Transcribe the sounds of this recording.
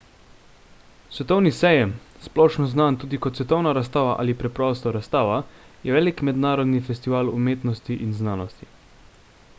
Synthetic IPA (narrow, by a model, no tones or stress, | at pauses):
sʋɛt̪ɔwnisɛjɛmsplɔːʃnɔznaːnt̪uːd̪ikɔt̪sʋɛt̪ɔwnaɾast̪aːʋaʔa̰ːlipɾɛpɾɔːst̪ɔɾast̪aːʋajɛʋɛːlikmɛd̪naːɾɔd̪nifɛst̪iʋaːlumeːt̪nɔst̪iʔinznaːnɔst̪i